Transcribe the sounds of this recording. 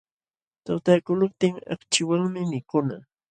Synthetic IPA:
t̪awt̪akʊlʊp̚t̪ɪŋɑ̰kt͡ʃɪwaŋmɪmɪkʊna

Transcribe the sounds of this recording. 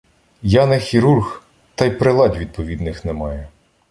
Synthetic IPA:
jɑnɛxʲiɾurx | t̪ɑjpɾɪlˠɑdʲʋʲid̪̚pɔʋʲid̪nɪxnɛmɑjɛ

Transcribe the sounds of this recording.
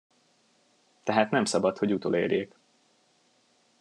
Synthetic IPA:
t̪ɛɦaːt̪nɛmsɒbɒt̪ho̞ɟut̪o̰ːlḛːɾjeːk

